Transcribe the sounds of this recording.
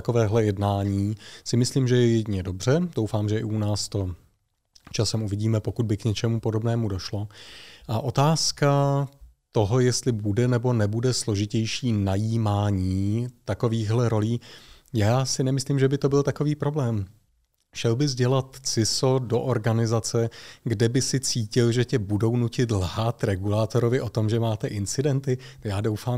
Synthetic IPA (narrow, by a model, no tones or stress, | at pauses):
ako̞vɛːɦlɛjɛdnaːɲiːsɪmɪsliːmʒɛjɛjɛɟɲɛdo̞br̝̥ɛdowfaːmʒɛɪunaːst̪o̞ | t͡ʃasɛmʔuvɪɟiːmɛpo̞kud̪̚bɪkɲɛt͡ʃɛmupo̞do̞bnɛːmudo̞ʃlo̞ʔaʔo̞t̪aːska | t̪o̞ɦo̞jɛst̪lɪbudɛnɛbo̞nɛbudɛslo̞ʒɪcɛjʃiːnajiːmaːɲiːt̪ako̞viːɣɦlɛɾo̞liː | jaːsɪnɛmɪsliːmʒɛbɪt̪o̞bɪlt̪ako̞viːpɾo̞blɛːm | ʃɛlbɪzɟɛlat̪t͡sɪso̞do̞ʔoɾɡanɪzat͡sɛɡdɛbɪsɪt͡siːcɪlʒɛcɛbudo̞wnucɪt̪lhat̪ɾɛɡulaːt̪o̞ɾo̞vɪʔo̞t̪o̞mʒɛmaːt̪ɛʔɪnt͡sɪdɛnt̪ɪjaːdo̞wfaː